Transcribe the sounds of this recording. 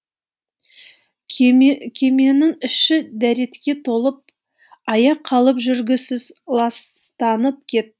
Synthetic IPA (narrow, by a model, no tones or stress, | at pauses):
kʲʰe̞me̞nɪŋʏʃɪd̪æɾe̞t̪kʲe̞t̪ʰo̞lˠəp̚ | ɑjɑqʰːɑlˠəpʒʏɾɡʲɪsɪzlˠɑst̪ɑnəp̚kʲʰe̞t̪̚